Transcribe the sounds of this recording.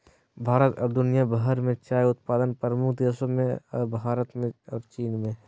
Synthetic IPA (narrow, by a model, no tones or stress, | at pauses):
bʱaːɾət̪ɔːɾd̪ʊnijabɐɦəɾmẽt͡ʃaːjʊt̪̚paːd̪ənpɾəmʊkʰd̪eːsõmẽɔːɾbʱaːɾət̪mẽɔːɾt͡ʃiːnmẽ